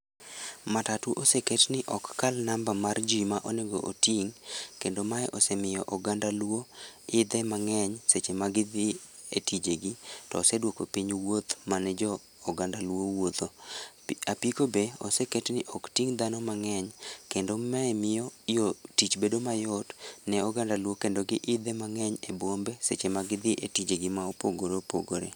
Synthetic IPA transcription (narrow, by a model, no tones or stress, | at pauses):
matatuʔoseketnɪʔɔkːalnambamard͡ʒimaʔoneɡoʔotiŋkendomaɛʔɔsɛmɪjɔʔɔɡandalwoɪd̪ɛmaŋɛɲset͡ʃemaɡɪd̪ɪ | etid͡ʒeɡitɔ̰ːsɛdwokopiɲwot̪manɛd͡ʒɔː | ɡandalwowot̪o | apikobeɔsɛketnɪʔɔktiŋd̪anɔmaŋɛɲkendomɛɛmɪjɔjotit͡ʃbedomajɔtnɛɔɡandalwokendoɡɪʔɪd̪ɛmaŋɛɲebwombeset͡ʃemaɡɪd̪ɪʔetid͡ʒeɡɪmaopoɡoɾopo̰ɡoɾḛ